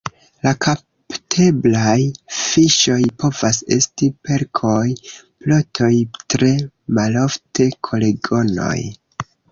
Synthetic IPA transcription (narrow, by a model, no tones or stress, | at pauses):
laka | ptʰe̞blajfiʃo̞jpo̞vase̞̰stipe̞ɾkʰo̞j | plotʰo̞jtɾe̞ | malo̞fte̞kʰo̞le̞ɡo̞no̞̰j